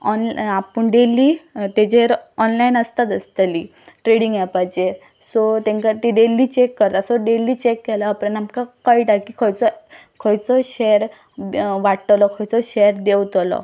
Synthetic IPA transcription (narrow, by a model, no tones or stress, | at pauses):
ɔnapəɳɖelit̪ed͡ʑeɾɔnlainəst̪at̪əst̪li | ʈɾeɽiŋɡjapajt͡ɕeɾ | sɔt̪ẽŋkat̪iɖeliːt͡ɕekːəɾt̪asɔɖeliːt͡ɕekːɛlaːpɾənamkakaiʈakːikʰɔjt͡sɔ | kʰɔjt͡sɔɕeɾ | ʋaʈʈ̪lɔkʰɔjt͡sɔɕeɾd̪ewt̪lɔ̰